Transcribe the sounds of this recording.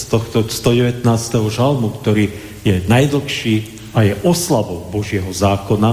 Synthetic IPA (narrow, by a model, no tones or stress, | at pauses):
st̪ɔxt̪ɔst̪ɔɟɛʋɛt̪naːst̪ɛɦɔʒalmukt̪ɔɾiː | jɛnajd̪l̩xʃiː | ajɛʔɔslaʋɔʊbɔʒɪɛɦɔzaːkɔna